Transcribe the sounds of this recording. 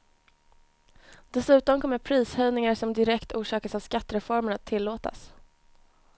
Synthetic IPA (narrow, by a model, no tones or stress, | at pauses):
d̪̥ɛsʉ̟ːt̪ɔmkʰɔmːəɾpʰɾiːshœjnɪŋaʂɔmd̪ɪɾɛkt̪uːʂɑːkasavskat̪ːɾɛfɔɾməɾat̪ʰːɪlːoːt̪a̰s